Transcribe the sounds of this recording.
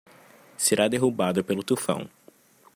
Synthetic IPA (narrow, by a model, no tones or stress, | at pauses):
seɾad̪eɦubad̪ʊpelʊt̪ufɐ̰̃w̃